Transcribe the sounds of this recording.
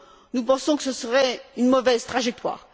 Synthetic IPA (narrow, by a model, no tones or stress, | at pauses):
nupɑ̃sɔ̃kə̥səsəʁɛynmɔvɛzt̪χaʒɛk̚t̪wa̰ːʁ